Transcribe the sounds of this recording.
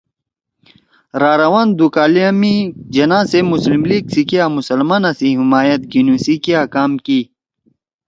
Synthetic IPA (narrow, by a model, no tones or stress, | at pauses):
ɾaːɾɐwaːnd̪ukaːliamid͡ʑɐnãːsemuslimliːɡsikiamusɐlmaːnɐsiɦimaːjɐt̪̚ɡinusikiakaːmki